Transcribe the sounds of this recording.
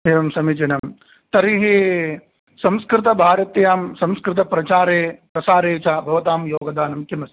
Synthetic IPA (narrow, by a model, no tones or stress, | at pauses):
ɦeːʋɐmsɐmid͡ʒinɐm | t̪ɐɾiɦi | sɐ̃mskɾɪt̪ɐbʱaːɾɐt̪jaːmsɐ̃mskɾɪt̪̬ɐpɾɐt͡ʃaːɾeːpɾɐsaːɾeːt͡ʃaːbʱɐʋɐt̪aːmjoːɡɐd̪aːnɐmkimɐsi̥